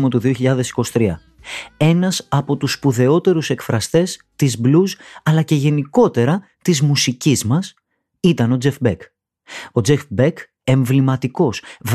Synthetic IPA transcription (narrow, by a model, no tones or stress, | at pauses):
mot̪uðio̞çiʎɐðe̞si̥ko̞si̥t̪ɾiɐ | e̞nɐsɐpo̞t̪uspuðe̞o̞t̪e̞ɾuse̞kfɾɐst̪e̞s | t̪izbluzɐlɐce̞ʝe̞niko̞t̪e̞ɾɐ | t̪izmusicizmɐs | it̪ɐno̞d͡ze̞fbek | o̞d͡ze̞fbek | e̞ɱvlimɐt̪iko̞sv